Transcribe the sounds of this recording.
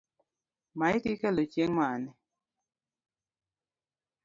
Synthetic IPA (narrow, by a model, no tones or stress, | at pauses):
maɪkɪkɛlot͡ʃeŋmanɛ